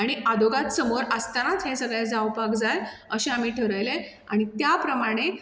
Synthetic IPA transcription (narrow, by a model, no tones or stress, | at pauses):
aɽ̃iad̪oɡat̪səmoɾəst̪anat̪ɦẽsəɡɭjẽd͡zawpakd͡zajəɕeamiːʈʰəɾəjle | aɽ̃it̪japɾəmaɽ̃e